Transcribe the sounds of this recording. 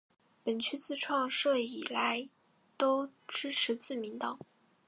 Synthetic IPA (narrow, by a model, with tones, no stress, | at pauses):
pə˨˩nt͡ɕʰy˥t͡sɹ̩˥˧ʈ͡ʂʰwɑ˥˧ŋʂɤ˥˩ɪi˨˩la˧˥ɪ | t̪o˥ʊʈ͡ʂɻ̩˥ʈ͡ʂʰɻ̩˧˥t͡sɹ̩˥˩mi˧˥nt̪ɑ˨˩˦